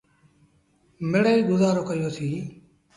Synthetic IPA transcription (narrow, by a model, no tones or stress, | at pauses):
meɽəiːɡʊzaːɾoːkəɪjoːsʰiː